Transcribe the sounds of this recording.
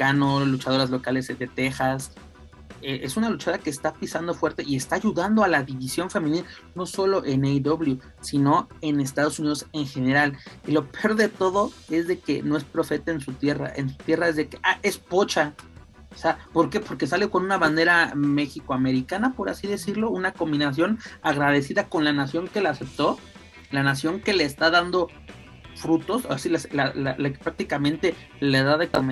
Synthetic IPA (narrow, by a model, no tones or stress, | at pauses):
ikano̞lut͡ʃað̞o̞ɾazlo̞kale̞zd̪e̞t̪e̞xas | eʔesunalut͡ʃaoake̞ːst̪apisand̪o̞fwe̞ɾt̪e̞ʔie̞st̪aːʝuðand̪oalaðiβisjo̞ɱfe̞mĩnil | no̞so̞lo̞ʔe̞nejd̪oβlju | sino̞e̞ne̞s̬t̪að̞o̞sunið̞o̞se̞ŋxe̞ne̞ɾalilo̞peo̞ɾðe̞t̪o̞ðo̞e̞zðe̞ke̞noe̞spɾo̞fe̞t̪aensut̪je̞ra̰ʔḛnsu̥t̪jeraezðe̞keʔaʔe̞spo̞t͡ʃa | seapo̞ɾke̞po̞ɾke̞salekonũnaβand̪e̞ɾame̞xikoame̞ɾikanapo̞ɾa̰siðe̞siɾlo̞unako̞mbinas̬jo̞naɣɾaðe̞siðako̞nlanasjo̞ŋke̞lease̞p̚t̪o̞ | lanasjo̞ŋke̞le̞ːst̪aðand̪o̞ | fɾut̪o̞sasilaslala̰lake̥pɾak̚t̪ikamẽ̞nt̪e̞ | leðaðeko